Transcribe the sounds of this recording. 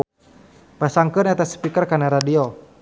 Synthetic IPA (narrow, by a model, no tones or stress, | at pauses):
pasaŋkɨnɛt̪asə̥pikərkanaɾadio